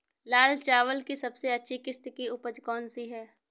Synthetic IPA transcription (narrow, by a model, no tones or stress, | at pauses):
laːlt͡ʃaːʋəlkisɐbseɐtːʃʰikɪst̪kiʊpəd͡ʒkɔːnsiɦɛː